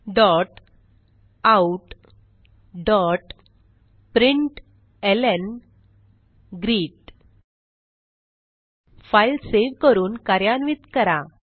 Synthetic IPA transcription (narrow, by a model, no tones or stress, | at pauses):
ɖɔʈ | auʈ | ɖɔʈ | pɾiɳʈ | elen | ɡɾiːʈ̚ | fajlseʋkəɾuːnkaɾjanʋit̪kəɾa